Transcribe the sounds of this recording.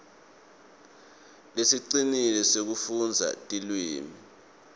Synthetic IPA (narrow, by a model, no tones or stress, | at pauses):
lesiǀinilɛsek̬ufund͡zʱa̰tʼilwiːmi